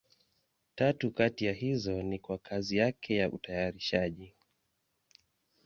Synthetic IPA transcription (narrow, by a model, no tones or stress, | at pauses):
tatukatijahizɔnikwakʰazijakʰɛjaʔṵtajaɾiʃaʄi